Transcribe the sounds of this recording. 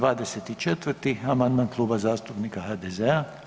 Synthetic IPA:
ʋaːd̪eset̪it͡ʃet̪ʋərɾt̪iamand̪maːnklˠuːbazaːst̪upniːkaɦaːd̪ezea

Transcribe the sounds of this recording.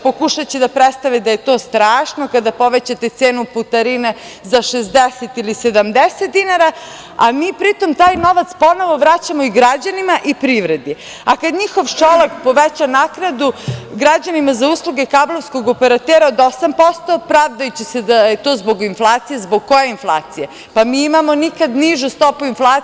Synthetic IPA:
pokuʃat͡ɕed̪apɾet̪st̪aʋid̪aje̞t̪o̞ːst̪ɾaːʃnokad̪apo̞ʋet͡ɕat̪et̪seːnuput̪aɾine | zaʃezd̪eset̪ilised̪amd̪eset̪̚d̪inaɾa | amiːpɾit̪omt̪aːjno̞ʋat̪spo̞noʋo̞ʋɾat͡ɕamoiɡɾad͡ʑanimaʔipɾiʋɾed̪i | akad̪ɲixo̞ʋt͡ʃolekpo̞ʋet͡ɕanakɾad̪uɡɾad͡ʑanimazauːslˠuɡe̞kablˠoʋsko̞ɡopeɾat̪eːɾaod̪o̞sampo̞st̪o̞pɾaʋd̪ajut͡ɕesed̪aet̪o̞ːzbo̞ɡinflˠaːt̪sijezboɡ̚kːojeinflˠaːt̪sije | pamiːimamo̞nikad̪niʒust̪o̞puinfla

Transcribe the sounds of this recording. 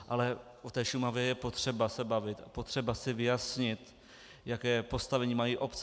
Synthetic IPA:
ʔalɛ | ot̪ɛːʃumavjɛjɛpo̞t̪r̥ɛbasɛbavɪt̪apo̞t̪r̝̥ɛbasɪvɪjasɲɪt̪ | jakɛːpo̞st̪avɛɲiːmajiːʔo̞pt͡s

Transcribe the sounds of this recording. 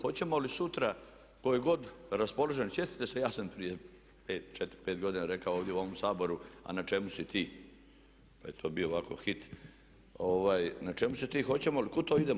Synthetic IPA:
xo̞t͡ɕemolisut̪ɾa | kojeɡo̞d̪ɾaspo̞loʒensjet̪i̥t̪esejaːsampɾije | peːt̪t͡ʃet̪ɾpeːt̪ɡo̞d̪inaɾekaooʋd̪je̞uo̞ʋomsaːbo̞ɾua̰nat͡ʃemusit̪ʰiː | pajet̪ʰo̞ːbioːʋako̞̰xit̪ | oʋaːjnat͡ʃemusit̪iːxo̞t͡ɕemolikot̪oːid̪em

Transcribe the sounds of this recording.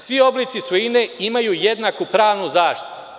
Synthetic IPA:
sʋio̞blit̪sisoineimajuːje̞d̪nakupɾaːʋnuzaːʃt̪i̥t̪u̥

